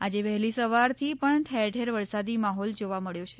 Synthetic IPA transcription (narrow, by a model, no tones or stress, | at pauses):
ad͡ʒeʋɛɦlisəʋaɾt̪ʰipəɳʈʰeɾʈʰeɾʋəɾsad̪imaɦɔld͡ʒoʋaməɭjot͡ʃʰe̥